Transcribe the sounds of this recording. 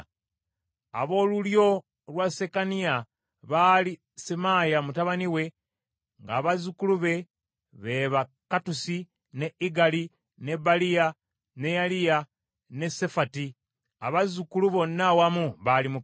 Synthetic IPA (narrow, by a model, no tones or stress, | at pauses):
a̰βo̞ːluljo̞ | lwase̞kania | βali | semajamutaβaniwe̞ | ŋɡaːβazukuluβe̞ | βe̞βa | katusi | ne̞iɡali | ne̞balija | ne̞jalija | ne̞sefati | a̰βazukuluβo̞nːawamuβalimu